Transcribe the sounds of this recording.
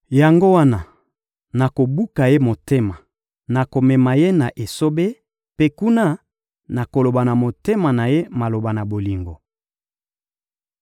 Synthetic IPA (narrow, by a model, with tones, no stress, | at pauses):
ja˨ŋɡo˦wa˦na˨ | na˨ko˨bu˦ka˨je˦mo˨te˦ma˨ | na˨ko˨mɛ˨ma˨je˦na˨ʔe˨so˦be˦ | pe˦ku˦na˦ | na˨ko˨lo˨ba˨na˨mo˨te˦ma˨na˨je˦ma˨lo˨ba˨na˨bo˨li˨ŋɡo˨